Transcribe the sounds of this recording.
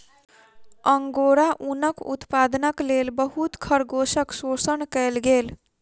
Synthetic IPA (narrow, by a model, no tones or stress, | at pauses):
əŋɡoɾaʔunəkṵt̪pad̪nəklelbəɦut̪kʰəɾɡosəksosənkəelɡel